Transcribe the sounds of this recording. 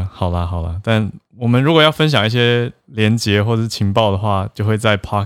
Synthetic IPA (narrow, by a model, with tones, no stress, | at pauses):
xɑ˨˩ʊlə˦xɑ˨˩ʊlə̰˦t̪a˥˩n | wɔ˨˩mə˦nɻu˧˥kwɔ˨˩jɑ˥˩ʊfə˥nɕjɑ˨˩ŋi˥˩ɕ̬jɛ˥ljɛ˧˦˥nt͡ɕjɛ˧˥xwɔ˥˩ʈ͡ʂə˨˩ʂɻ̩˥˩t͡ɕʰi˧˥ŋpɑ˥˩ʊd̪ə˩xwa˥˩t͡ɕjo˥˧ʊxwe˥˧ɪt͡sa˥˩ɪpʰɑ˥˧